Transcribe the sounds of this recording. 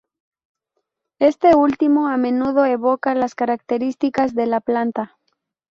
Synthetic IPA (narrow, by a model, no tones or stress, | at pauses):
e̞st̪e̞ult̪imo̞amẽ̞nuð̞o̞eβo̞kalaskaɾak̚t̪e̞ɾist̪ikazðe̞laplant̪a